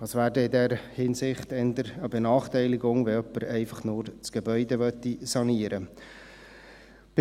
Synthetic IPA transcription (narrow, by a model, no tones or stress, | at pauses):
ɑsʋæːrdɛɪdɛɾhɪnsɪχtɛnd̪əɾəbɛnɑːχtɛɪlɪɡʊŋʋɛœpːəɾɛɪfɑχnʊːɾt͡sɡ̥ebœʏdɛʋœt̪ːisɑniəɾə | b̥